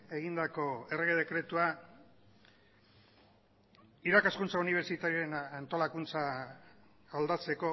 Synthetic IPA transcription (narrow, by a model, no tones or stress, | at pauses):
e̞ɣind̪ako̞e̞reɣe̞ðe̞kɾe̞t̪ua | iɾakaskunt͡sauniβ̞eɾt͡ʃit̪aɾienant̪o̞lakunt͡sa | ald̪at͡se̞ko̞